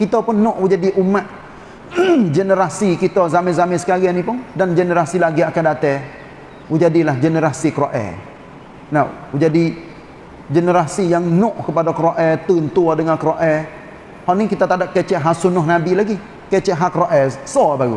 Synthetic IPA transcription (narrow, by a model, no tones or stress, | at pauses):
kit̪apunːɔʔud͡ʒadiʔumaʔ̪̚ | d͡ʒənəɾasikit̪ɔzamɛnzamɛsəkaɾianipʊndand͡ʒənəɾasilaɡiakadat̪ɛ | wud͡ʒadilahd͡ʒənəɾasikɾoʔɛ̰ | naw | d͡ʒadi | d͡ʒənəɾasijaŋnɔʔkəpadakɾoʔɛt̪ənt̪udəŋankəɾoʔɛ | hanikit̪at̪adaʔ̚kɛt͡ʃɛʔɦasunʊhnabilaɡi | kɛt͡ʃɛʔɦakɾoʔɛsɔbaɡṵs